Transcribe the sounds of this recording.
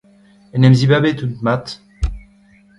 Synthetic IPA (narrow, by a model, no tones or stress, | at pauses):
ɛnɛmzibabet̪ut̪mat̪